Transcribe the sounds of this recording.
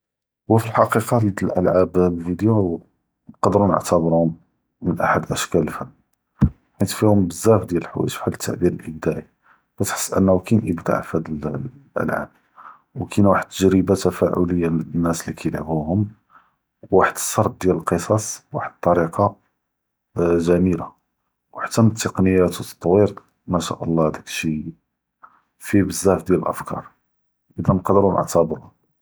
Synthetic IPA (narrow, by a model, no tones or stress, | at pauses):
wəfilħɑqiqɑld̪əlʔəlʕablfid̪ju | qɑd̪əɾunə̰ʕt̪æbɾuhʊm | mənʔa̰ħad̪ʔəʃkæləlfəmː | kint̪fihʊmbəzːæfd̪jæləlħwæ̰ʃħalət̪ʰːa̰ʕbiɾəlʔəb̚d̪æʕi | bæt̪ħə̥sˤːʔə̰nːhukinʔəbd̪a̰ʕfhæd̪əl | ʔə̰lʕa̰b̚ | wkʰinwaħəd̪̚t̪ːəʒɾəbat̪æfæʕʊ̰ləjːanːæslikʰæjlʕbuhʊm | wwaħəd̪ə̥sːɑɾˤt̪̚d̪jæləlqəsˤɑswaħəd̪̚t̪ˤːɑɾiqɑ | ʒæmila | wħat̪ːænət̪ːəqnəjːæt̪wt̪t̪ˤːwiɾ | mæʃæ̰ʔəlˤːɑhd̪ækʃi | fibəzːæfd̪jæləlʔə̰fkɑ̰ɾˤ | ʔəd̪ænqd̪əɾunə̰ʕt̪æbɾʊ